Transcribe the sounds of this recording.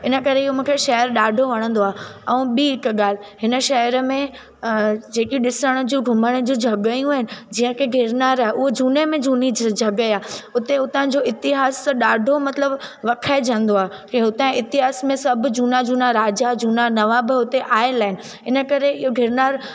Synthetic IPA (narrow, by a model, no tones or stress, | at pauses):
ɪnə̆kɐɾeɪɦomũːkʰeʃɐɦəɾɗaːɖʱoʋɐɽ̃ə̃nd̪oaːɛ̃ːɓiɪkɠaːl̤ɦɪnə̆ʃɐɦəɾəmẽ | d͡ʑeːkiɗɪsəɽ̃ə̆d͡ʑũːɡʱʊməɽ̃əd͡ʑũːd͡ʑʱɐɠəjũaːɦɪnɪ̆d͡ʑĩːə̃kɪɡʱɪɾnaːɾaːeʔʊɦod͡ʑuːnemẽd͡ʑuːnid͡ʑd͡ʑʱɐɠəaːɦʊt̪eʊt̪ãd͡ʑoʔɪt̪ɪɦaːsɗaːɖʱomɐt̪ləbʋɐkʰaːed͡ʑə̃nd̪oaːɦ | kẽʊt̪ãɪt̪ɪɦaːsmẽsɐbʱd͡ʑuːnad͡ʑuːnaɾaːd͡ʑad͡ʑuːnanɐʋabɪʊt̪eʔaːelaːɦɪnɪ̆ | ɦɪnə̆kɐɾeɪɦoɡʱɪɾnaːɾ